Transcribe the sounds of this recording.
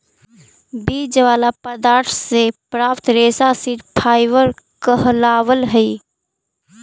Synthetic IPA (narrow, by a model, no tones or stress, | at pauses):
biːd͡ʒəʋaːlapəd̪aːɾt̪ʰsepɾaːpt̪ɾeːsasiʈpʰaːɪʋəɾkəɦlaːʋəlɦəi